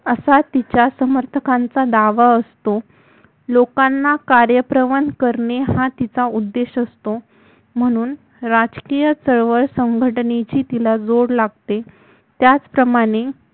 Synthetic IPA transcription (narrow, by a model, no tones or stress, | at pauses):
əsat̪it͡ɕjasəməɾt̪ʰəkãnt͡sad̪aʋaəst̪o | lokanːakaɾjəpɾəʋənkəɾɳeɦãt̪it͡saud̪ːeɕəst̪o | m̤əɽ̃uːn | ɾad͡ʑkijət͡səɭʋəɭsəŋɡʱəʈnet͡ɕiːt̪ilad͡zoɽlaɡ̚t̪e | t̪jat͡spɾəmaɽ̃e